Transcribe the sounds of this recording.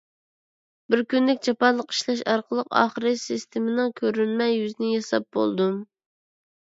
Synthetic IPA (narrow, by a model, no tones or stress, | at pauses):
bɪɾkʲynlɪkʲd͡ʒɑpɑnlˠəqi̥ʃlɑʃɑɾqʰəlˠəqɑ̰ːχəɾɨsist̪ʰɪmɪnɪŋkʲʰøɾynmɛjːyznɪjɑsɑp̚bo̰lˠd̪um